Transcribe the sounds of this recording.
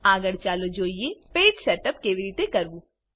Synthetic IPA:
aːɡəɽt͡ʃaːlod͡ʒoːiepeːʈsɛːʈəpkeʋɪɾiːt̪ekɐɾbu

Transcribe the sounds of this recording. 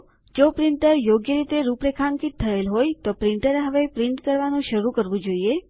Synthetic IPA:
d͡ʒopɾiɳʈəɾjoɡjəɾit̪eɾupɽekʰãŋkitt̪ʰːəelɦojt̪opɾiɳʈəɾeɦəʋepɾiɳʈkəɾʋanũʃəɾukəɾʋũd͡ʒoie

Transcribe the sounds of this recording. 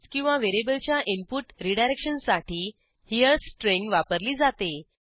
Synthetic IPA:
kĩw̃ʋaʋeɾebəlt͡ɕjaʔimpuʈɾiɖajɾekɕənsaʈʰiː | hiəɾsʈɾẽŋɡʋapəɾliːd͡zat̪e

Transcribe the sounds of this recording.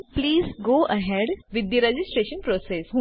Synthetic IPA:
pliːzɡoːʔəɦɛɖʋɪd̪jəɾed͡ʒɪsʈɾeːʃə̃npɾoːsesɦũ

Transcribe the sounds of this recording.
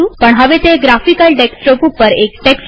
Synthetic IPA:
upəɳɦəʋet̪eɡɾafikəlʈeksʈɾopupəɾekʈeks

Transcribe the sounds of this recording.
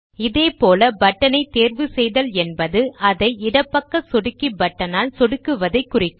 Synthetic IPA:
ɪðeːpoːlɐbɐʈːɐnɐɪt̪ːeːrʋɯsɛjðɐlɛnbɐðɯɐðɐɪɪɽɐpːɐkːɐsɔɽɯkːibɐʈːɐnaːlsɔɽɯkːɯʋɐðɐɪkːʊrɪkːɯ

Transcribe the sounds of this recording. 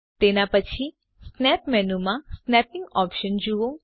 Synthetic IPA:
t̪enapət͡ʃʰi | snɛpmɛnumãsnɛpɪŋɡɔpʃənd͡ʒuʋõ

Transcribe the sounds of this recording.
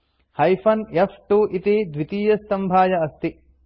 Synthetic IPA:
hɐjfʰɐnefʈuʔit̪iːd̪ʋit̪iːjɐst̪ɐmbʱaːjɐɐst̪i

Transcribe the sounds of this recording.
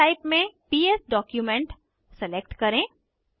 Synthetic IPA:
aɪpmẽpiːesɖɔːkjumẽɳʈ | sɛleːk̚ʈkɐɾẽː

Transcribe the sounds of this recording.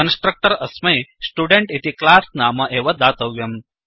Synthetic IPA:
ənsʈɾək̚ʈɐɾɐsmɐjsʈuːɖeɳʈit̪iklaːsnaːmɐʔeːʋɐd̪aːt̪ɐʋjɐm

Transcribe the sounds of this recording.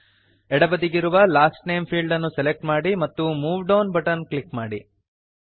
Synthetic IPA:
ɛɽɐbɐd̪iɡiɾuʋɐlaːsʈneːmpʰiːlɖɐnːuselek̚ʈmaːɽimɐt̪ːumuːʋɖɐːnbɐʈɐnklikmaːɽi

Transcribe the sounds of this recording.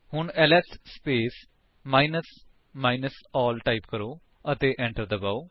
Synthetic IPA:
hʊɳɛːlɛsspeːs | maːinəs | maːinəsɔːlʈaːipkəɾoː | ət̪eːʔɛ̃ːɳʈəɾd̪əbaːoː

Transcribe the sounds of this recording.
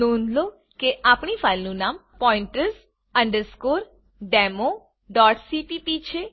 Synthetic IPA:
nonlo | keʔapɳifajlnũnaːmpɔɪ̃ɳʈəɾs | ə̃ɳɖəɾskoɾ | ɖemo | ɖɔːʈsipipit͡ʃʰe

